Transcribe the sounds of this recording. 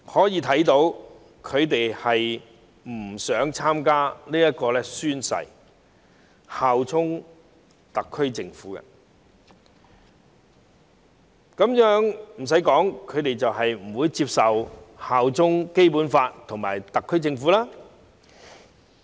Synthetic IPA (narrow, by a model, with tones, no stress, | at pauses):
hɔː˨˥jiː˨˧t̪ʰɐ˨˥jt̪o˨˥w | kʰɵ˨˧ɥt̪e˨jhɐ˨j | m̩˨˩sœː˨˥ŋt͡sʰaː˥mkaː˥liː˥jɐ˥t̚kɔː˧lɛː˥syː˥nsɐ̰˨j | haː˨wt͡sʰʊ˥ŋ | t̪ɐ˨kʰːɵ˥ɥt͡sɪ˧ŋfuː˨˥kɐ̰˧ | kɐ˨˥mjœː˨˥ŋm̩˨˩s̬ɐ˨˥jkɔː˨˥ŋkʰɵ˨˧ɥt̪e˨jt͡sɐ˨whɐ˨jm̩˨˩wuː˨˧jt͡siː˧p̚sɐ˨whaː˨wt͡sʊ˥ŋke˥jpuː˨˥nfaː˧tt̪ʰʊ˨˩ŋmaː˨˩jt̪ɐ˨kʰːɵ˥ɥt͡sɪ˧ŋfuː˨˥laː˥